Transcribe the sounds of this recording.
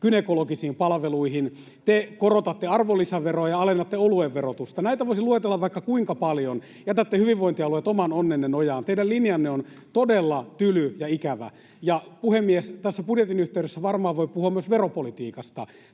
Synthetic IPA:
kynekolokisiːmpɑlʋeluihin | t̪ekorot̪ɑt̪ːeɑrʋolːisæʋeroɑjɑɑlenːɑt̪ːeolueʋʋerot̪ust̪ɑnæit̪æʋoisiluet̪elːɑʋʋɑikːɑkuiŋkɑpɑljon | jæt̪æt̪ːehyʋiʋʋoint̪iɑluet̪omɑnonːenːenojɑːnt̪eidællinjɑnːeon | t̪odelːɑt̪ylyjɑikæʋæ̰ | jɑpuhemːiest̪æsːæpudjet̪inyht̪eydøsːæʋɑrmɑːʋoipuhuɑmyøsʋeropolit̪iːkɑst̪ɑ̰

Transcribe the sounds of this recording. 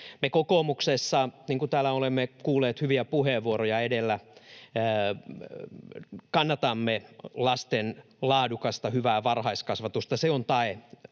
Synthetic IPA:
mekokomuksesːɑniːŋkut̪æːlæolemːekuːlːˑeːt̪hyʋiæpuheʋʋuoɾojɑedelːæ | kɑnːɑt̪ɑmːelɑst̪en | lɑːdukɑst̪ɑhyʋæːʋɑrhɑiskɑsʋɑt̪ust̪ɑseont̪ɑe

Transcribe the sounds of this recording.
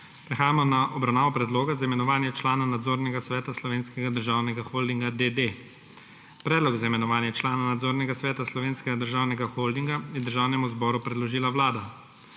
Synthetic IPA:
pɾɛxaːjamɔnaʔɔbɾawnaːʋɔpɾɛd̪loːɡazaimɛnɔʋaːnjɛt͡ʃlaːnanad̪zoːɾnɛɡasʋɛːt̪aslɔʋeːnskɛɡad̪əɾʒaːwnɛɡaxold̪iŋɡad̪ed̪e | pɾɛːd̪lɔɡzaimɛnɔʋaːnjɛt͡ʃlaːnanad̪zoːɾnɛɡasʋɛːt̪aslɔʋeːnskɛɡad̪əɾʒaːwnɛɡaxold̪iŋɡajɛd̪əɾʒaːwnɛmuzbɔːɾupɾɛd̪lɔʒiːlawlaːd̪a

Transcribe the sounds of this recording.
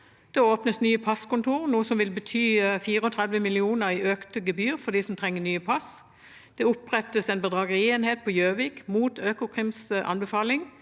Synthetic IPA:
d̪̥ɛoːpnəsnyːəpʰɑskʊnt̪ʰuːʁnuːəsɔmʋɪlbət̪ʰyːfiːʁəɔt̪ʰʁɛd̪ʋəmɪlɪuːnəʁiʔøːkt̪əɡəbyːʁfɔd̪isɔmt̪ʰʁɛŋːənyːəpʰɑs | d̪̥ɛʊpʁɛt̪əsɛɪnbəd̪ʁɑːɡəʁɪeːnheːt̪̚pʰɔjøːʋiːkmuːt̪ʰøːkʊkʰʁɪmsʔɑ̰nbəfɑːlɪŋ

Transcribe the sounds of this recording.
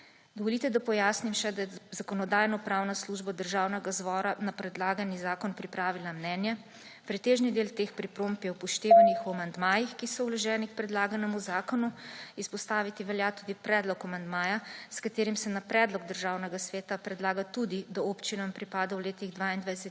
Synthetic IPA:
d̪ɔʋɔlit̪ɛd̪apɔjaːsnimʃɛd̪ajɛzakɔnɔd̪aːjnɔpɾaːwnasluːʒbad̪əɾʒaːwnɛɡazbɔːɾanapɾɛd̪laːɡanizaːkɔnpɾipɾaːʋilamnɛnjɛ | pɾit̪eːʒnid̪eːlt̪eːxpɾipɾompiɛwpɔʃt̪eːʋanixamand̪maːjixkisɔwlɔʒɛːnik̚pɾɛd̪laːɡanɛmuzaːkɔnuispɔst̪aːʋit̪iʋɛljat̪ud̪ipɾɛːd̪lɔkamand̪maːjaskat̪eːɾimsɛnapɾɛːd̪lɔɡd̪əɾʒaːwnɛɡasʋeːt̪apɾɛd̪laːɡat̪ud̪id̪aopt͡ʃinampɾipaːd̪awleːt̪iɣd̪ʋaind̪ʋajsɛt̪

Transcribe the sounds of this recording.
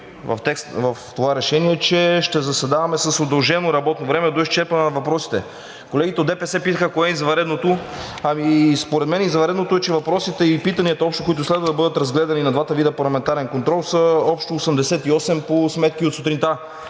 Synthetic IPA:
vɐ̰ft̪ɛkst̪vɐft̪ovaɾɛʃɛniɛt͡ʃɛʃt̪ɛzɐsɛd̪avɐmɛsəsod̪ɐlˠʒɛnoɾɐbɔt̪novɾɛmɛd̪oist͡ʃɛɾpɐnɛnɐvɐpɾɔsi̥t̪ɛ | kolɛɡit̪ɛod̪ɛpɛsɛpit̪əxəkoɛizɐvɐɾɛd̪not̪oɐmispoɾɛd̪mɛnɛizɐvɐɾɛd̪not̪oɛt͡ʃɛvɐpɾɔsit̪ɛipit̪ɐniɐt̪ɐɔpʃt̪o̥koʊit̪ʊslɛd̪vəd̪ɐbɤd̪ət̪ɾɐzɡlɛd̪ɐninɐd̪vat̪əvid̪əpɐɾlˠɐmɛnt̪aɾɛnkont̪ɾɔlˠsəɔpʃt̪oːsəmd̪ɛsɛt̪iɔsɛmposmɛt̪kiot̪sot̪ɾint̪a

